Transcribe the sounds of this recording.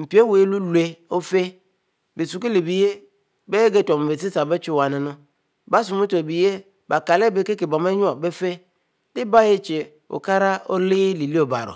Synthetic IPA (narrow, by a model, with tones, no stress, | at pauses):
m̩˨pi˨˦e˦we˨˦lu˦le˦o˦fe˦ | be˨su˨ki˦le˨bi˨je˦ | be˦e˦ɡe˦tɔ˨m˨ve˨si˦sa˨be˦t͡ʃʊ˦˨wa˨nɪ˨nʊ̃˦ | ba˦s̬u˨mũ˦to˨bi˨je˦ | ba˨ka˨le˦be˨˦ke˦kɪ˨bɔ˨m˦e˦ɲu˦ɔ˨be˦fe˦ | dɪ˦ba˦je˦t͡ʃe˨ | o̰˨ka˦ɾa˦o˦lɪ˦li˨li˦o˨ba̰˨ɾʊ̰˨